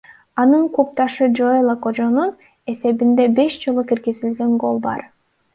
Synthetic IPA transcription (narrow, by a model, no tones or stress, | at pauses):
ɑnɯɴqʰup̚t̪ɑʃɯd͡ʒojlˠakod͡ʒo̞nun | e̞se̞βind̪e̞be̞ʃd͡ʒo̞lˠukiɾɡizilɡe̞ŋɡo̞̰lˠbɑ̰ɾ